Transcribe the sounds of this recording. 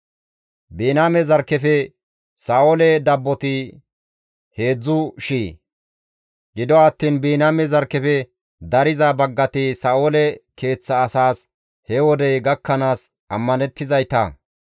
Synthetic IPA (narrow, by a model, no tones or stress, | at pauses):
biːnaːmɛzɐɾkːɛfɛ | saːʔoːlɛd̪ɐbːɔt̪ɪ | he̞ːd͡zːʊʃiː | ɡɪd̪ɔɐt̪ːiːnbiːnaːmɛzɐɾkːɛfɛ | d̪ɐɾɪzɐbɐɡːɐt̪ɪsaːʔoːlɛke̞ːt͡sːɐːsaːs | hɛwɔd̪ɛjɡɐkːɐnaːs | ʔɐmːɐnɛt̪ːɪzɐjt̪ɐ̰